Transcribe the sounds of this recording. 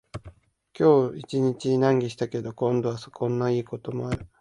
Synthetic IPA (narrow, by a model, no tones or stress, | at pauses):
kʲo̞ːit͡ɕiɲ̟it͡ɕinãŋɡʲiɕi̥t̪ake̞d̪o̞kõ̞nd̪o̞βasokõ̞nːaiːko̞t̪o̞mo̞aɾɯ̟